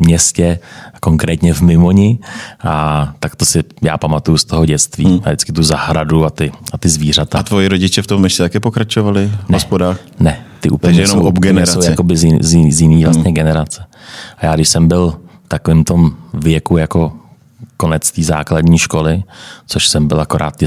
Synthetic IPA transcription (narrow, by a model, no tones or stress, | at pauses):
mɲɛscɛko̞ŋkɾɛːt̪ɲɛvmɪmo̞ɲɪʔat̪akt̪o̞sɪja̰ːpamat̪ujust̪o̞ɦoɟɛt͡st̪vḭːadɪt͡skɪt̪uzahɾaduat̪ɪat̪ɪzviːr̝at̪at̪vojɪɾoɟɪt͡ʃɛft̪omɛʃcɛt̪akɛːpokɾat͡ʃovalɪnɛospodaːx | nɛt̪ɪʔṵːp̪ɛɛjɛomobɡɛɲnɛɾaowjaɛkobɪzɪzjzjɪniːvlast̪ɲɛɡɛnɛɾat͡sɛ̥ʔajaːɡdɪʃsɛmbɪlft̪akovɪːmt̪o̞mvjɛkujako̞ | ko̞nɛt͡st̪iːza̰ːkladɲiːʃko̞lɪt͡so̞ʃsɛmbɪlakoɾa̰ːt̪ː